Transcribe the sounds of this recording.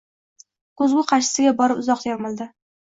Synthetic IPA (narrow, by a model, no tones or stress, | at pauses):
kɵzɡʲʊqʰɑʃɪ̥sɪɡʲabɒɾɪpʊzɒq̚t̪ʰeɾmɪlˠd̪ɪ